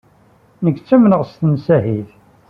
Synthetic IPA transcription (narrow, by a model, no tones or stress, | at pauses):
nəɡt͡sːæmnəʁst̪nsæhiθ